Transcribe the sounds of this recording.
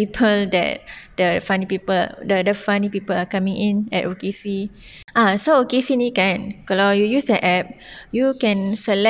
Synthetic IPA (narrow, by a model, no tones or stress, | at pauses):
ipʰəldɛ̰t̚dəfãnipipəldədəfanipipəlakãmĩŋʔĩnɛ̰tokesi | ʔasookesinikãnkɔlɔjujusdɛʔʔɛp̚ | jukɛ̃nsəlɛ